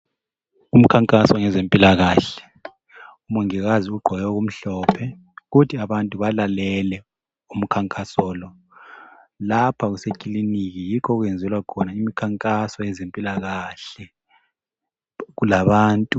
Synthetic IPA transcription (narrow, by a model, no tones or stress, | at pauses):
um̩kʰaŋkʼasɔŋɛzempʼilaɣaːɬɛ̥ | umuŋiɣaziuɡ͡ǃʱɔjɔɣum̩ɬɔːpʰɛ | ɣutʰiaβantʼuβalalɛlɛ | um̩kʰaŋkʼasɔːlɔ | lapʰaɣusekʼilinik̬ijikʰɔɣuwɛnd͡zʱɛlwakʰɔnaimikʰaŋkʼasɔjɛzempʼilaɣaɬɛ | ɣulaβaːntʼu